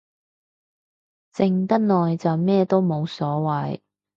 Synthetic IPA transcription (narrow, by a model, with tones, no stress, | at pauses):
t͡sɪ˨ŋt̪ɐ˥t̚nɔː˨jt͡sɐ˨wmɛː˥˧t̪o˥wmo˨˧wsɔː˨˥wɐ˨j